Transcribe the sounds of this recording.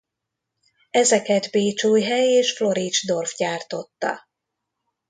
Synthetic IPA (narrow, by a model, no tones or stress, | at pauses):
ɛzɛkɛd̪beːt͡ʃoːjɦɛjeːʃflo̞ɾid͡ʒd̪o̞rfɟaːrt̪o̞t̪ːɒ̰